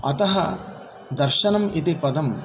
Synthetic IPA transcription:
ɐ̰t̪ɐɦɐ | d̪ɐɾʃɐnɐmit̪ipɐd̪ʱɐm

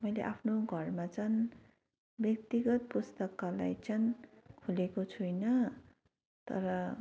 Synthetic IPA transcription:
mʌjlḛʔapʰnoɡʱʌrmat͡sʰʌn | bjʌk̚t̪iɡʌt̪̚pust̪ʌkala̰jt͡sʰʌnkʰulekot͡sʰujnʌ | t̪ʌ̰ɾʌ

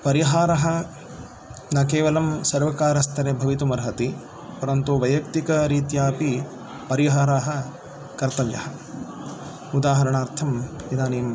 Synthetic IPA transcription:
pɐɾiɦaːɾɐɦɐ | nɐkeːʋɐlɐmsɐɾʋɐkaːɾɐst̪ʰɐɾebʱɐʋit̪umɐɾɦɐt̪i | pɐɾɐnt̪uʋɐjɐkt̪ikɐɾiːt̪jaːpi | pɐɾiɦaːɾaːɦɐ | kɐɾt̪ɐʋjɐ̰hɐ | ud̪aːɦɐɾɐɳaːɾt̪ʰɐmid̪aːniːm

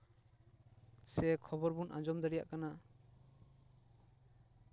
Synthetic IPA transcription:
sɛkʰɔbɔɾbunʔã̰d͡ʒɔmd̪ɛɽija̰ʔkana

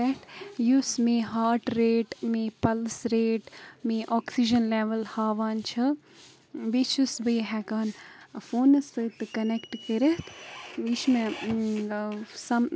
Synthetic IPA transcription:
ɛʈjusmeɦaːɾʈɾeːʈmepɐlsɾeːʈmiʔɔːksid͡ʒɐnleʋɐlhaːʋaːnt͡ʃʰɐ | ʋit͡ʃʰusʋəɦɛɡaːnfoːnɐsɨt̪ɨkɐnekʈkəɾet̪ʰʋit͡ʃʰme | sɐm

